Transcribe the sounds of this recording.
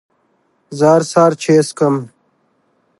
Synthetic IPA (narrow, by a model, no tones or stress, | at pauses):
zaːɾsaːɾt͡ɕʰeːskɐm